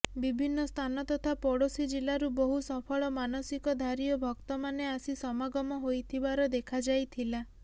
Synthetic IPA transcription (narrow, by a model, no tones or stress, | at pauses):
bibʱinːɔst̪ʰanɔt̪ɔt̪ʰapɔɽosid͡ʒilaɾuboɦusɔpʰɔɭɔmanɔsikɔd̪ʱaɾiɔbʱɔkt̪ɔmaneasisɔmaɡɔmɔɦojt̪ʰibaɾɔd̪ekʰad͡ʒajt̪ʰila